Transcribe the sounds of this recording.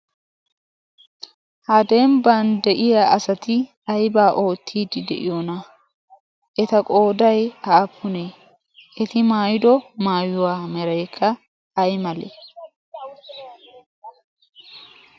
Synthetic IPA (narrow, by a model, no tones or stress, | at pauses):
hɐd̪eːmband̪ɛʔɪjaʔɐsɐt̪ɪ | ɐjbaːʔo̞ːt̪ʰːiːd̪ɪd̪ɛ̰ʔɪ̰jonɐ | ʔɛt̪ɐkʼo̞ːd̪ɐjɐʔːpʰːʊneː | ʔɛt̪ɪmaːjɪd̪ɔmaːjːʊwaːmɛɾɐjkʰːɐ | ɐjmɐlḛ